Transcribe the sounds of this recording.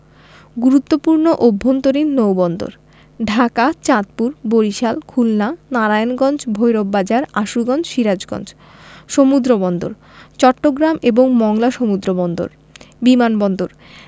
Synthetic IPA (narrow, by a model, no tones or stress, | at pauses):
ɡuɾut̪ːopuɾnoʔobʱːont̪oɾinnowbɔnd̪o̰ɾ | ɖʱakat͡ɕat̪̚puɾboɾiʃalkʰulnanaɾajnɡɔnd͡ʑbʱojɾobːad͡ʑaɾaʃuɡɔnd͡ʑʃiɾad͡ʑɡɔ̰nd͡ʑ | ʃomud̪ɾobɔnd̪o̰ɾ | t͡ɕɔʈːoɡɾameboŋmɔŋlaʃomud̪ɾobɔnd̪o̰ɾ | bimanbɔnd̪oɾ